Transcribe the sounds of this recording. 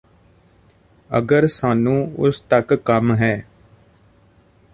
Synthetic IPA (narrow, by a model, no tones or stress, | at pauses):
ə̰ɡəɾsaːnũːʊst̪əkːəmɦɛː